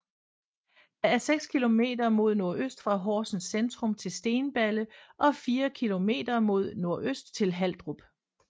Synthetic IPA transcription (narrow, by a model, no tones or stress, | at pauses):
d̥æ̈æɐseɡ̥skʰilo̝me̝̰ːd̥ɐmo̝ð̞̰ˠno̝ɐ̰øsd̥fʁɑ̈ɦɒ̰ːsn̩send̥ʁɔ̽mt͡sʰe̝lsd̥e̝ːnb̥æləʔɒ̽fiːɐkʰilo̝me̝̰ːd̥ɐmo̝ð̞̰ˠno̝ɐ̰ʔøsd̥t͡sʰe̝lɦæl̰d̥ʁub̥